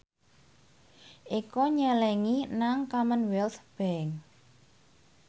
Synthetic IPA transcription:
ʔikɔɲəlɛŋinaŋkamənwɛlt̪b̥ɛŋ

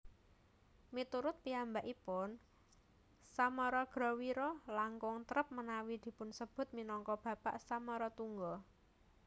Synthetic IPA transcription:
mit̪uɾʊt̪̚piambaʔipʊn | samɔɾɔɡ̥ɾɔ̤wiɾɔlaŋkʊŋt̪əɾəp̚mənawid̪̥i̤pʊnsəb̥ʊ̤t̪̚minɔŋkɔb̥ä̤paʔsamɔɾɔt̪uŋɡɔ

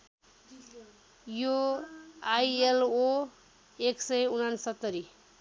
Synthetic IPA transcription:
jo | ajelo | eksʌjunansʌt̪ːʌɾi

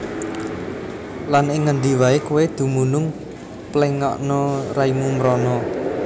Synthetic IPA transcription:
lanɪŋːəɳɖ̪iwaekuwed̪̥ṳmunʊŋ | plɛŋɔ̰ʔnɔraimumɾɔnɔ

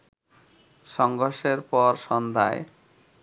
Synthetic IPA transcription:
ʃɔŋɡʱoɾʃeɾpɔɾʃɔnd̪ʱa̰e

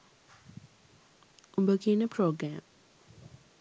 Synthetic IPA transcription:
ʔumbəkiːnəpʰɾoːɡɾæːm

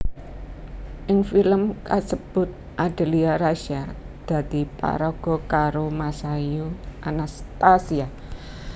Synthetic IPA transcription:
ʔɪŋfiləmkasəb̥ʊ̤t̪̚ | ʔaɖ̪̥ə̤liaɾaʃar | d̪̥ä̤d̪̥i̤pa̰ɾɔɡ̥ɔ̤kaɾomasajuʔanast̪asia

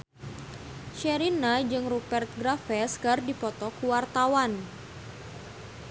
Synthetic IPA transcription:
ʃɛɾinad͡ʒɨŋrupɛrt̪̚ɡɾafɛskardipɔt̪ɔkuwart̪awan

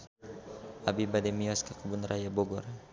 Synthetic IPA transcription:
ʔabibadɛmiɔskakubunrʔajabɔɡɔr

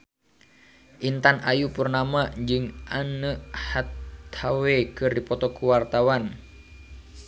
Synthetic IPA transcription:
ʔint̪anajupurnamad͡ʒɨŋʔanəʔhat̪ʰhawekɨrdipɔt̪ɔkuwart̪awan

